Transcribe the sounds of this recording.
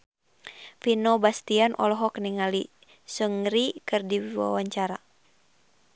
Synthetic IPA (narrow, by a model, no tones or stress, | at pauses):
finɔbast̪ianʔɔ̰lɔɦɔkniŋali | səŋɾikɨrdiwwa̰waɲt͡ʃaɾa